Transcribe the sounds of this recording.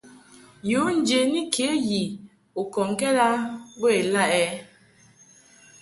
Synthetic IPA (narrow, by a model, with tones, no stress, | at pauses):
jo˨˦n̩˨d͡ʒe˨ni˦kʰe˨˦ji˨ | o˨kɔ˨ŋ˦kɛ˦ɾa˦we˦e˨la˦ʔɛ˦